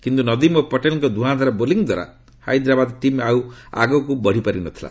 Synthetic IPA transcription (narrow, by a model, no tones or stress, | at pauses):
kint̪unʌd̪imopɔʈelŋkɔd̪ʱuɦãd̪ʱaɾaboliŋd̪waɾa̰ | ha̰jd̪ɾabad̪ʈimaua̰ɡɔkubʌɽ̤ipʌɾinut̪ʰila̰